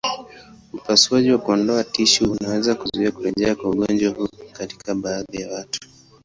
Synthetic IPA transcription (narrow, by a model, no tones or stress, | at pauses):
upasuaʄiwakuɔndɔatiʃiunawɛzakuzuiakuɾɛʄɛakwauɠɔnd͡ʒwahukati̥kʰaɓaːðijawatu̥